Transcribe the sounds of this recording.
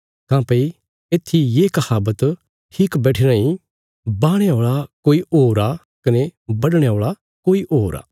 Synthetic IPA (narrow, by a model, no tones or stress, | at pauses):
kãːpɐi | eːt̪ʰːijeːkɐhaːbət̪ | ʈʰiːkbɛːʈʰeɾãːĩ | baːɽ̃eoːɭakoːiʔoːɾa | kɐnebɐɽɽ̃eoːɭa | koːiʔoːɾa̰ː